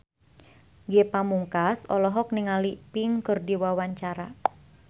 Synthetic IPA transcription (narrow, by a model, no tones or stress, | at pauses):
ɡepamuŋkasɔlɔɦɔk̚niŋalipiŋkɨrdiwawaɲt͡ʃaɾa̰